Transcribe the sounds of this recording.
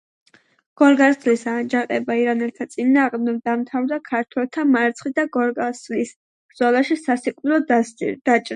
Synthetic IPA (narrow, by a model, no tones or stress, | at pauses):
ɡ̥ɔɾɡasd̪lisad͡ʒaqʼɛbaiɾanɛlˠt̪ʰat̪sʼinaːʁmd̪ɛvd̪amt̪ʰavd̪akʰaɾt̪ʰwɛlˠt̪ʰamaɾt̪sʰχid̪aɡɔɾɡaslis | b̥ɾd̪zɔlˠaʃisasikʼilˠɔd̪d̪̥at͡ʃʼɾa